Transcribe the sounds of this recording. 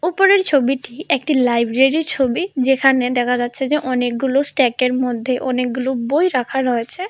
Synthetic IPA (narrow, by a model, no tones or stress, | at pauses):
upoɾeɾt͡ɕʰobiʈiek̚ʈilajbɾeɾit͡ɕʰobid͡ʑekʰaned̪ɛkʰad͡ʑatːɕʰed͡ʑeʔɔnek̚ɡulosʈɛkeɾmod̪ʱːeʔɔnek̚ɡulobojɾakʰaɾoet͡ɕʰe